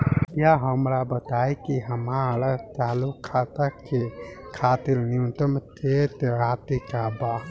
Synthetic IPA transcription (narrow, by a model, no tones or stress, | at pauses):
jaɦəmɾabət̪ajkiɦəmaɾat̪aːlukʰːat̪əkːekʰaːt̪ilnjũt̪əmt̪ʰet̪eɾat̪ikaba